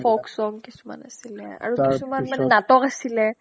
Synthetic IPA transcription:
fɔksɔŋkisuma̰na̰silɛa̰ɹukisumanmanɛnatɔkasilɛ

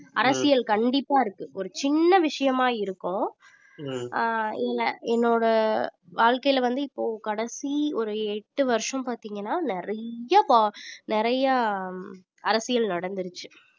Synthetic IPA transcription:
ɐɾɐsɪjɐlkɐɳɖɪpːaːɪɾɯkːɯʔɔɾɯt͡ʃɪnːɐʋɪʂɐjɐmaːɪɾɯkːʊ̃ | ɪlːɐ̰ɛnːoːɽɐʋaːɻkɐjɪlʋɐnd̪ɯɪpːoːkɐɽɐsiɔɾɯɛʈːɯʋɐɾʂɐ̃mpaːɾt̪iːŋɡɐnːaːnɪɾɐjɐpːnɪɾɐjɐ | ɐɾɐsɪjɐlnɐɽɐnd̪ɯɾɯt͡ʃːɯ̥

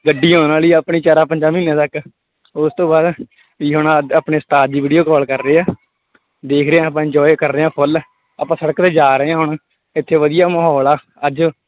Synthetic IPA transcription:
ɡəɖːiːɦõːnaːliːəpɳiːt͡ʃaːɾaːpəɲd͡ʒaːmĩːnãːt̪ək | ʊst̪õːbaːd̪ | iːɦʊɳaəːpɳeːsət̪aːd̪iːʋiːɖijoːkɔːlkəɾːeːaː | d̪eːkʰɾeːãːp̬ãːɪ̃ɲd͡ʒɔːekəɾːeːãːpʰʊl | aːpãːsəɽəkt̪eːd͡ʒaːɾəeãːɦʊɳ | ɪt̪ʰːeːʋəd̪ijaːməɦɔːlaː | əd͡ʒ

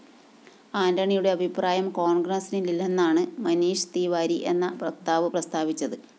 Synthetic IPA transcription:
aːndɐɳijuɽe̞ɐbʱipraːjɐmkoːɳɡrɐsinililːenːaːɳɨmɐniːʂt̪iːʋaːɾiʔe̞nːɐprɐkt̪aːʋɐprɐst̪ʰaːʋit͡ɕːɐðɨ

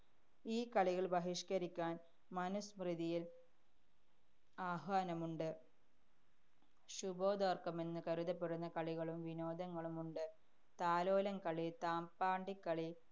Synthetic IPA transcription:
iːkɐɭiɣɐɭbɐɦiʂkɐɾikʲːaːn | mɐnɐsmriðijil | aːɦaːnɐmuɳɖɨ | ɕubo̞ːd̪ɐrkɐme̞nːɨkɐɾuðɐpːeɽunːɐkɐɭiɣɐɭumʋino̞ːd̪ɐŋːɐɭumuɳɖɨ | t̪aːlo̞ːlɐŋkɐɭit̪aːmpaːɳɖikːɐɭi

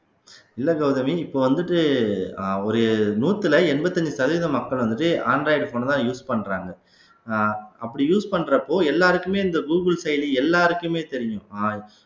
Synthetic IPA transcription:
ɪlːɐɡɐʊðɐmiɪpːoːʋɐnd̪ɯʈːɯ | ɔɾɯnuːt̪ːɯlɐɛnbɐt̪ːɐɲd͡ʒɯsɐðiːðɐmɐkːɐɭʋɐnd̪ɯʈːɯaːnɾɐɪɖfoːnt̪ãːjuːspɐɳːɾaːŋɡɐ | ɐpːɐɽijuːspɐɳːɾɐpːoːɛlːaːɾɯkːɯmeːɪnd̪ɐɡuːɡɯlsɐɪjliɛlːaːɾɯkːɯmeːt̪ɛɾɪjʊ̃aː

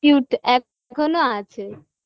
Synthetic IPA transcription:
juʈɛk̚ | kʰonoat͡ʃʰe

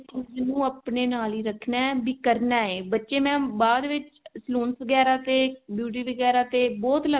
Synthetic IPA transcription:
t͡ʃiːd͡ʒnũːəpneːnaːliːɾəkʰnaːbiːkəɾnaːeːbətːʃeːmɛ̃ːbaːd̪ʋɪt͡ʃsloːnsʋəɡɛːɾaːt̪eːbjuːʈ̬iːʋəɡɛːɾaːt̪eːbɔːt̪lə

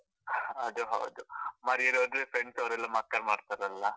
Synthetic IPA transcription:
ɐd̪uɦɐ̰wd̪umɐːɾijɐɾod̪ɾefɾeɳɖsɐʋɐɾɛlːɐmaːt̪̚kɐɾmaːɖt̪aɾɐlːa

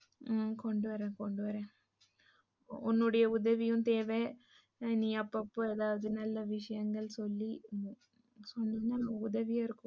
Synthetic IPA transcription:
kɔɳɖɯʋɐɾẽːkɔɳɖɯʋɐɾẽː | ʊnːʊɽɐjɐʊðɐʋɪjɯ̃mt̪eːʋeː | nĩːɐpːɐpːoɐðaːʋɐðɯnɐlːɐʋɪʂɐjɐŋɡɐɭsɔlːi | sɔnːiːnːaʊðɐʋɪjaɪɾɯkːʊ̃

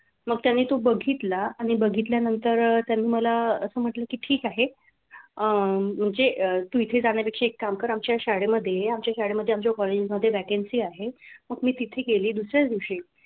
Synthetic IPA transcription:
məɡ̚t̪janːiːt̪obəɡʱit̪laaɽ̃ibəɡʱit̪̬ljanənt̪əɾt̪janːiːməlaəsəːm̤əʈləːkiːʈʰiːkaɦe | əm̤əɳd͡zeət̪uːit̪ʰed͡zaɽ̃japekʂeːkːamkəɾamt͡ɕjaɕaɽeməd̪ʱːjeamt͡ɕjaɕaɽeməd̪ʱːeamt͡ɕokɔled͡ʑizməd̪ʱːjeʋækensiːaɦeməɡmiːt̪it̪ʰekeliːd̪usɾjat͡sd̪iʋʂi

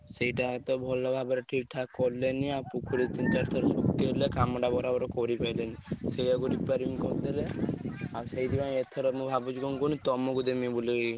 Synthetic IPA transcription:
sejʈat̪ɔbʱɔlːabʱabɔɾɔʈʰiʈʰakɔɾleniapukʰuɾit͡ʃint͡ʃaɾt̪ʰɔɾɔsʰukːelekamɽabɔɾabɔɾɔkɔɾipajlenisejaɡuɾipaɾimikɔd̪eleasejd̪ibãet̪ʰɔɾɔmũbʱabut͡ʃukɔnkɔnit̪ɔmɔɡud̪emibule

